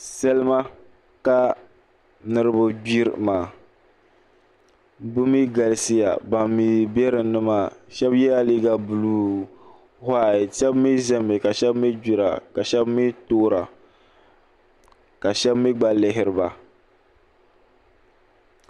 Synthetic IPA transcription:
sɛ˦lɨ˦ma˦ | ka˦ | nɨ˦ɾɨ˦bʊ˦d͡ʒi˦ɾmaː˨ | bʊ˦mi˦ɡa˨lsi˦ja̰˨ba˨mːi˨bɛ˦ɾɨ˨nɨ˦ma˦˨ʃɛ˦bjɛ˦ja˦liː˦ɡa˦bu˨lu˨ | ha˦˨tɛ˦bmi˦zɛ˦mɨ˨ka˨ʃɛ˦bmi˦d͡ʒi˦ɾa̰˨ka˨ʃɛ˦bmi˦toː˦ɾa˨ | ka˨ʃɛ˦bmi˦ɡ͡ba˦lɪ˦ɦɪ˨ɾɨ˨ba˨

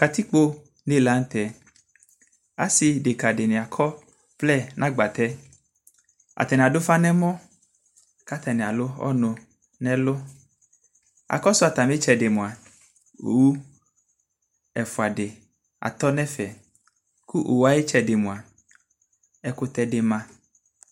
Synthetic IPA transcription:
ka˨t̪i˦k͡po˦ | ne˦la˦n̩˦t̪ɛ˨ | a̰˦si˨de˨ka˨de˨nɛ̃˨a˨kʰɔ˦ | plɛ˦˨nʔã˦ɡ͡ba˨t̪ɛ˦ | a̰˨t̪ɛ˨n˨a˨do˦fa˦nɛ̃˦mɔ̃˦ | ka˦t̪ɛ˨nɛ̃˨a˨lo˦ɔ̰˦nõ˨ | nɛ̃˦lo˦ | a̰˨kɔ˦so˦a˨t̪a˨mĩ˦t͡ʃɛ˨de˨mũ˨a˨ | o̰˨wu˦ | ɛ˨fu˨a˨ɖe˨ | a̰˨t̪ɔ˦nɛ̃˦fɛ˨ | ku˦ʔo˨wa˦je˦t͡ʃɛ˨de˨mũ˨a˨ | ɛ˦ko˦t̪ɛ˦de˨mã˦

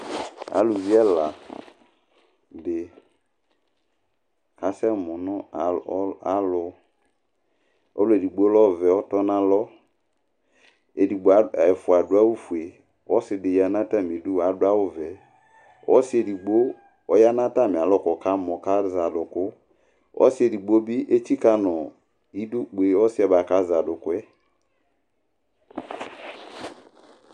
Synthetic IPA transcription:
a̰˨˦lu˨vi˦ɛ˦la˨ | de˨ | ka˨sɛ˦˨mʊ˨nʊ̃˦˨˦a˦lʊ˨ | ɔ̰˦lo˦e˨di˨ɡ͡bo˦lɔ˦˨vɛ˨ɔ˦tɔ˦nã˨lɔ˦ | e˨di˨ɡ͡bo˨a˨ɛ˨fʊ˨a˨dʊ˨˦a˦wu˦fu˨e˨ | wɔ˦sɪ˦dɪ˨ja˨nã˦ta˦˨mĩ˨du˦wa˨dʊ˦a˦wʊ˦vɛ˨ | wɔ̰˦sɪ˦e˨di˨ɡ͡bo˦ | ɔ˦ja˦nã˦ta˦˨mɪ̃˨a˨lɔ˦˨kɔ˨ka˦mɔ̃˨ka˦za˨dʊ˨kʊ˦ | ʔɔ̰˦sɪ˦ɛ˨di˨ɡ͡bo˦bi˦ʔe˦t͡ʃi˦ka˦nɔ˨ | i˦du˦k͡pu˨e˨˦ɔ˦sɪ˦a˨ba˨ka˦za˨dʊ˨kʊ˦ɛ˦

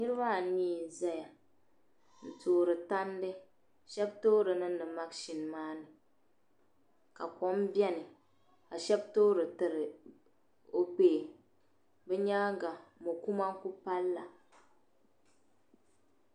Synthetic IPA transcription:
ni˦ɾɨ˦ba˦˨niː˦˨za˦ja˨ | n̩˨toː˨ɾɨ˨ta˦ndɨ˦ | ʃɛ˦b̚toː˦ɾɨ˨nɨ˦ɨ˨ma˦kʃi˨nmaː˦nɨ˨ | ka˨kɔ˨˦m˦bjɛ˦nɨ˨ | a˨ʃɛ˦btoː˦ɾɨ˨tɨ˦ɾɨ˨ | o˦peː˦˨ | bɛ˦ɲaː˦ɡa˨mo˨ku˦ma˦ŋ˦ku˦pa˦lːa̰˨

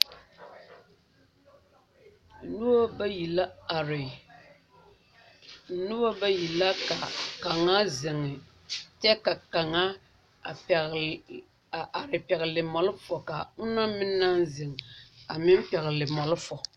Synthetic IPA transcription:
nu˦o˦bji˨la˦˨˦ | nu˦o˦ba˦ji˨la˦ka˨ka˨ŋa˦zɪ˨ŋːɪ˨ | tɛ˦ka˨ka˨ŋa˦˨ | a˨ɾɪ˨pɛ˨ɣɪ˨lɪ˨mɔ˨lʊ˦fɔ˨ka˨ʊ˦na˦mɪ˦nːa˦nzɪ˨ŋa˨mɪ˦m˦pɛ˨ɣɪ˨lɪ˨mɔ˨lʊ˦fɔ˨

